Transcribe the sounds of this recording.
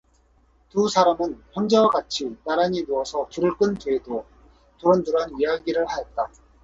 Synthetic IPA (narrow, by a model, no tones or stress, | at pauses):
tusʰaɾamɯnçjʌnd͡ʑewaɡat͡ɕʰinaɾaɲinuʌsʰʌtuɾɯɭk͈ɯntuedo | tuɾʌnduɾanɥiaɡiɾɯɭhajet̚t͈a